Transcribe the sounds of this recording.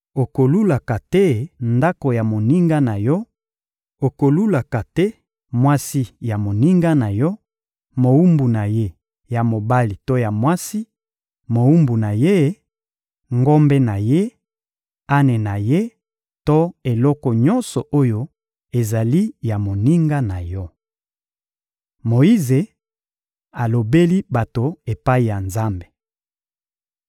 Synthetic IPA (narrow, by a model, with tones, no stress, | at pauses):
o˨ko˨lu˦la˨ka˨tɛ˦nda˦ko˨ja˨mo˨ni˦ŋɡa˦na˨jɔ˦ | o˨ko˨lu˦la˨ka˨tɛ˦ | mwa˦si˦ja˨mo˨ni˦ŋɡa˦na˨jɔ˦ | mo˨wu˦mbu˨na˨je˦ | ja˨mo˨ba˦li˨to˦ja˨mwa˦si˦ | mo˨wu˦mbu˨na˨je˦ | ŋɡo˦mbe˦na˨je˦ | a˦ne˨na˨je˦ | to˦e˨lɔ˦kɔ˨ɲɔ˦nsɔ˨ʔo˦jo˦ | e˨za˨li˦ja˨mo˨ni˦ŋɡa˦na˨jɔ˦ | mo˨i˦ze˨ | a˨lo˨be˦li˦ba˨to˨e˨pa˦i˨ja˨nza˦mbe˨